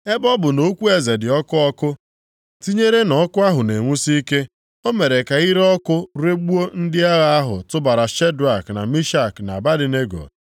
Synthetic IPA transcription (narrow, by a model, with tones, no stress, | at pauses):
e˦bɔ˦bʊ˨no˦kʷu˦e˨ze˨dɪ˨ɔ˦kʊ˦ɔ˦kʊ˦ | ti˦ɲe˦ɾe˦nɔ˨˦kʊ˦a˦ɦʊ˨ne˨ŋʷu˦si˦ke˦ | o˦me˨ɾe˨ka˨i˦ɾɔ˦kʊ˦ɾe˦ɡ͡bu˦o˦n̩˦dɪ˦a˦ɣa˦a˦ɦʊ̰˨tʊ˦ba˨ɾa˨ʃe˦dʊ˨a˨kna̰˨mi˦ʃa˦˨kna̰˨ba˦dɪ˨ne˦ɡo̰˨